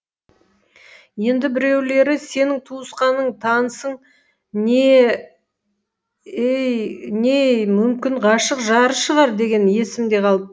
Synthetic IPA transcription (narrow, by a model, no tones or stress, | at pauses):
je̞nd̪ɪbɪɾe̞wle̞ɾɪse̞nɪŋt̪ʰuəsqɑnəɴt̪ʰɑnəsəɴ | ne | ejne̞jmʏmkʲɪɴqɑʃəqʒɑɾəʃəʁɑɾd̪e̞ɡʲe̞nje̞sɪmd̪e̞qʰɑlˠ